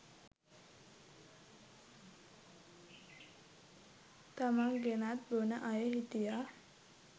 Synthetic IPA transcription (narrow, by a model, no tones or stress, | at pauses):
t̪amaŋɡenat̪̚bonaʔajeɦit̪ija